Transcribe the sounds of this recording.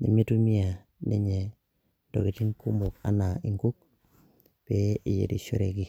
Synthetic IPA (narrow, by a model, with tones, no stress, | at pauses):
ne˨me˦tu˦mi˦a˨ | nʔe˦ɲe˨ | d̥o̰˨ɡi˨ti˦nku˦mu˨ka̰˦na˨i˨ŋɡu˦k̚ | pe˦i˨jḛ˨di˨ʃu˦ɾe˨ɡi˨